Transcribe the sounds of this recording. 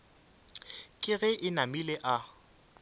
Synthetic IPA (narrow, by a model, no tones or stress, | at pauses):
kʼɪɣɛʔɪnamileʔa